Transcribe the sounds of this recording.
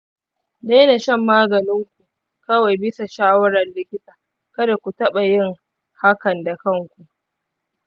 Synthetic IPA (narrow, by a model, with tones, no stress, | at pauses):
da˦jna˨ʃɛ˦˨mːaː˦ɡɐ˨nɪ˦ŋkʷu˨ | kɐ˦wa˨jbɪ˦sa˨ʃaː˦wɐ˦ɾɐ˨nlɪ˦kʲɪ˦tʼaː˨ | kɐ˦da˨kʷu˨tɐ˦ɓa˨jɪ˦˨ŋ | ha˦kɐ˨nda˨kɐ˦ŋkʷu˨ʔ